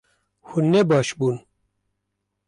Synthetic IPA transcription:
hunːɛbɑːʃbuːn

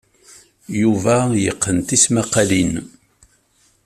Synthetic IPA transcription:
juvæjəqːənt̪ismæqːalin

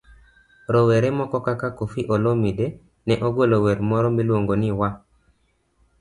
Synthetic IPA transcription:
ɾɔwɛɾɛmɔkɔkakakofiʔolomide | nɛʔoɡwelowɛɾmɔɾɔmilwoŋɡoniwa

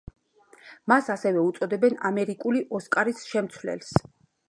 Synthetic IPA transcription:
masasɛvɛut̪sʼɔd̪ɛbɛnamɛɾikʼuliʔɔskʼaɾisʃɛmt̪sʰwlɛ̰ls

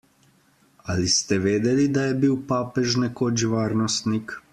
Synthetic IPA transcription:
alist̪ɛʋeːd̪ɛlid̪ajɛbiwpaːpɛʒnɛkod͡ʒʋaːɾnɔst̪nik

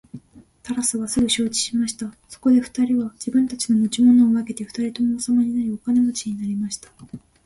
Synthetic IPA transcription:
t̪aɾasɨβasɨɡɯ̟ɕo̞ːt͡ɕi̥ɕimaɕi̥t̪a | so̞̥ko̞d̪e̞ɸɯ̟̥t̪aɾʲiβad͡ʑibɯ̟̃nt̪at͡ɕino̞mot͡ɕimo̞no̞ːβake̞t̪e̞ɸɯ̟̥t̪aɾʲit̪o̞mo̞ːsamaɲ̟inaɾʲiokane̞mot͡ɕiɲ̟inaɾʲimaɕi̥t̪ḁ

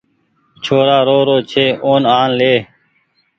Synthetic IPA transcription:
t͡ʃʰoːɾaːɾoːɾoːt͡ʃʰeːʔoːnaːnleː

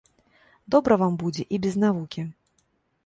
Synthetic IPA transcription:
d̪ɔbɾɐvambud͡zʲɛʔibʲɛznavukʲi

